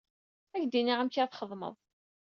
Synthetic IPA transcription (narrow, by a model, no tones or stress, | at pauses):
æʝd̪iniʁamçaθχəðˤmə̰ðˤ